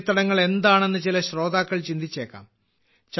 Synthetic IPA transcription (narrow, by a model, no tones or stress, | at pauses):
t̪ːɐɽɐŋːɐɭe̞nd̪aːɳe̞nːɨt͡ɕilɐɕro̞ːd̪aːkːɐɭt͡ɕind̪it͡ɕːe̞ːkːa̰ːm | t͡ɕ